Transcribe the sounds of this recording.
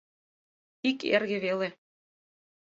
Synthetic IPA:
ikḛrɣɘ̆βele

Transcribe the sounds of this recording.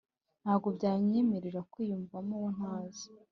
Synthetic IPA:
n̥aːɡo̞bɟaːɲimiɾiɾakwiːjuɱvamuwon̥haːzi̥

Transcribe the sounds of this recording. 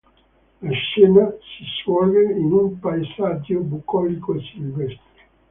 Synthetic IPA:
laʃɛːnasiswɔlveinumpaezad͡ʒːobukːɔlikosilvɛst̪ɾe

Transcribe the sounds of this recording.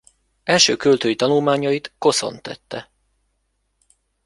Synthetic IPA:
ɛlʃøːkølt̪øːjit̪ɒnulmaːɲɒjit̪ko̞so̞̰nt̪ɛt̪ːɛ

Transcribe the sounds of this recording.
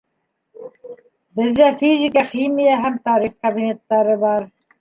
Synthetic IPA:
bɘ̆ðːæfʲizʲɪkaχimijaɦæmt̪ɑɾiχkɐbinʲet̪ːɑɾɤβɑɾ

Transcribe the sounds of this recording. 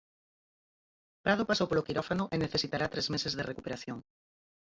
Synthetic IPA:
pɾað̞opasowpolokiɾɔfanʊʔeneθesit̪aɾat̪ɾezmesezðerekupeɾaθjoŋ

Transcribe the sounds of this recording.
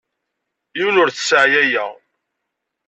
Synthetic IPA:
jiwnʊɾθə̥səʕjæjæ

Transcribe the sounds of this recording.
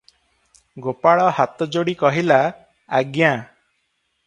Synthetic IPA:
ɡopaɭɔhat̪ɔd͡ʒoɽikɔɦilaː | ɡja

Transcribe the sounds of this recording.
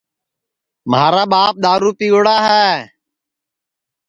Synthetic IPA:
maːɾaːɓaːp̚ɗ̪aːɾuːpiːɽaːɦɛː

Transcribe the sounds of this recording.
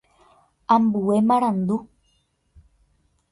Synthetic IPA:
ambuemaɾand̪u

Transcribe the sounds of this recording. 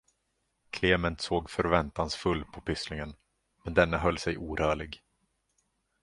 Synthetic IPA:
kʰleːmɛnt̪soːɡfœɾvɛnt̪ansfɵlːpʰɔpʰʏslɪŋən | mɛnd̪ɛnːaɦœlːsɛjʔuːɾœːɭɪɡ

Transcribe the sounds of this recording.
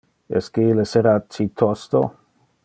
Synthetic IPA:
ɛ̰skeileseɾat͡ʃit̪ʰost̪o̰

